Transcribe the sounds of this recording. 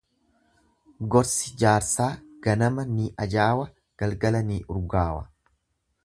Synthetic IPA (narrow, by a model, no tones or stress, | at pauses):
ɡɔɾsɪ̥d͡ʒaːɾsaːɡ̥ɐnɐmɐniʔɐd͡ʒaːwɐ | ɡ̥ɐlɡɐlɐniːʔʊɾɡaːwɐ̰